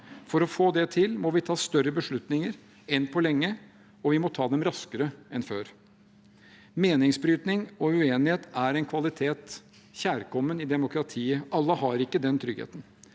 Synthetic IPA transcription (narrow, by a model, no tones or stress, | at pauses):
fɔɾɔfoːd̪ɛt̪ʰɪlmɔʋɪt̪ʰɑːst̪œɾəbəʂɭʉt̪nɪŋəɾ | ɛnpʰɔlɛŋːə | ɔʋɪmɔt̪ʰɑːd̪ɛmɾɑskəɾəɛnføːɾ | meːnɪŋsbɾyːt̪nɪŋɔʉeːnɪheːt̪æɾɛɪnkʰʋɑlɪt̪ʰeːt̪ | çæːɾkɔmːənɪd̪ɛmʊkɾɑt̪ʰiːəʔɑlːəɦɑɾɪkːəd̪ɛnt̪ʰɾʏɡḛːt̪ən̩